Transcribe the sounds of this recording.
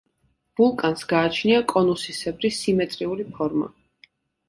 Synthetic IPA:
b̥ulˠkʼansɡaːt͡ʃʰniakʼɔnusisɛbɾisimɛt̪ʼɾiulipʰɔɾma̰

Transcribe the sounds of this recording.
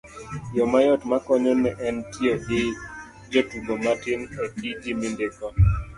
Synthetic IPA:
jɔmajɔtmakɔɲɔnɛʔɛntjeʔɪ | d͡ʒotuɡomatɪnedid͡ʒimɪndekɔ

